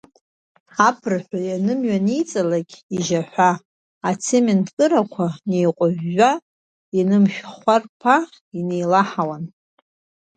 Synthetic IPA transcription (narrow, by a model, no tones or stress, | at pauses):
apʰɨrħʷᶣajanɨmɥanijt͡sʼalaɡʲiʒaħʷᶣaː | t͡sʰemenkʼɨɾakʷʰanejqʷʼʊʒːa | inɨmʃᶣχʷarpʰa | ine̞jlaħawan